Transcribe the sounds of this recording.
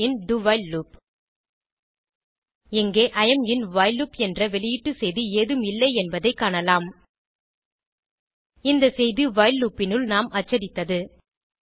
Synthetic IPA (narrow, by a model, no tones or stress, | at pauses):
ɪnɖʊʋɐɪlluːp | ɛŋɡeːʔɐjɐmɪnʋaːɪluːpɛndrɐʋɛlɪjɪʈːɯsɛjðɯeːðɯmɪlːɐɪɛnbɐðɐɪkːaːɳɐlaːm | ɪnd̪ɐsɛjðɯʋɐːɪlːuːpːɪnɯlnaːmʔɐt͡ʃːɐɽɪt̪ːɐðɯ